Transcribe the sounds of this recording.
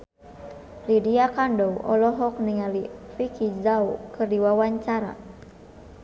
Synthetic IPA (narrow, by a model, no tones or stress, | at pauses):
lidiakandɔwʔɔ̰lɔɦɔk̚niŋalifikʰizaukɨrdiwawaɲt͡ʃaɾa̰